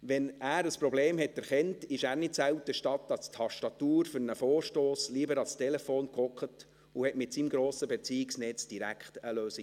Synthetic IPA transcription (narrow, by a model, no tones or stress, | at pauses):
ʋɛnæːɾəspɾɔbleːmhɛtːæɾχɛntɪʃæːɾnɪtsæwtəʃtɑtːɑst̪ʰːɑʃtɑtuːɾfʏɾnəfoːrʃtoːsliəbəɾɑlstɛlɛfoːnkɔkχət | uhɛtmɪtsimɡɾoːsəbɛt͡siiksnɛt͡sd̥iɾækχtəløːsi